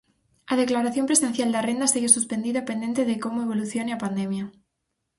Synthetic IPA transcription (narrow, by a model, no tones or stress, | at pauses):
að̞eklaɾaθjo̞mpɾese̞n̟θjald̪arend̪aseɣesuspe̞nd̪iðapend̪e̞nt̪eðeko̞moeβ̞o̞luθjo̞neapand̪emja